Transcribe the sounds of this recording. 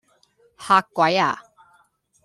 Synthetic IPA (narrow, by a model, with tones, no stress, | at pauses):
ha˧kːwa˨˦ja̰˨